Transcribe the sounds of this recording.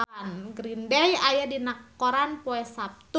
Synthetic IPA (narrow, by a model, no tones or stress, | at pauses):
nɡɾindɛjajadinakːoɾanpoɛsap̚t̪u